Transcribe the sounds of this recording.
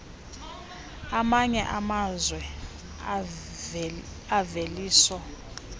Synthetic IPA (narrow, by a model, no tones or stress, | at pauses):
amaɲɛʔamazwɛ | aveliːsɔ